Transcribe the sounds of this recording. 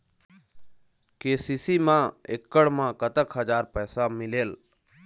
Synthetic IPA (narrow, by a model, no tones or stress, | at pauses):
keːsiːsimãːekːəɽmãkət̪əkɦəd͡ʒaːɾpɛːsamɪleːl